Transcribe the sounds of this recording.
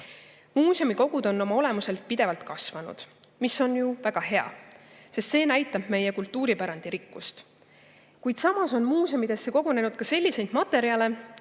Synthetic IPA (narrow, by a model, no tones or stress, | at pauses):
muːsʲomiko̞ɡ̥ud̪̥o̞nːo̞mɑo̞le̞muse̞lt̪̚pid̪̥e̞vɑlt̪kɑsvɑnṵd̪̥ | misːo̞njuvæɡ̥ɑɦe̞ɑ̰se̞st̪se̞ːnæjt̪ːˑɑb̥me̞jekult̪ˑːuːɾipæɾɑnd̪̥iɾikːust̪ | kujd̪sɑmɑso̞nmuːsomid̪̥e̞sːe̞ko̞ɡ̥one̞nud̪̥̚kɑse̞lʲːise̞jd̪̥mɑt̪ːˑe̞ɾiɑle̞